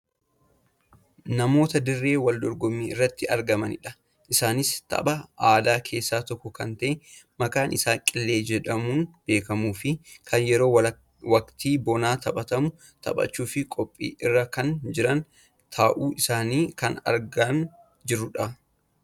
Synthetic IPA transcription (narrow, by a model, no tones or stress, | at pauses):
nɐmo̞ːt̪ɐd̪ɪrːe̞ːwɐld̪ɔɾɡɔmiːɪrːɐt̪ːɪɐɾɡɐmɐnɪ̰ᶑɐ̥ | ʔɪsaːnɪst̪ɐ̰bɐaːd̪aːkʰe̞ːsːaːt̪ɔkːɔkɐnt̪ɐʔe | mɐkaːnʔɪsaːŋkʼɪlːe̞ːd͡ʒɛᶑɐmunb̥e̞ːkɐmuːfɪkʰɐnjɛɾo̞ː | wɐkt̪iːbɔnaːt̪ʰɐɓɐt̪ɐmʊ | t̪ʰɐ̰ɓɐ̰t͡ʃːuːfɪkʼɔpʼːḭːʔɪrːɐkɐnd͡ʒɪɾɐn | t̪ʰaːʔuːʔɪsaːniːkɐnɐ̰ɾɡan | d͡ʒɪɾːʊᶑɐ